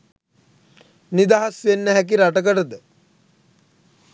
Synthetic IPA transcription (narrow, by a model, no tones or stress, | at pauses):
nid̪aɦasenːəɦæk̬iɾaʈəkəʈəd̪ə